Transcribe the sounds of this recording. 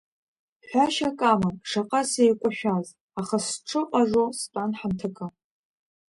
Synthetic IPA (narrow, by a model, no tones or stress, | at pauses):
ħʷaʃakʼamanʂaqʼasejkʷʼaʃᶣaz | aχasʈ͡ʂʰɨqʷʼaʐostʷʼanħamtʰɨkʼa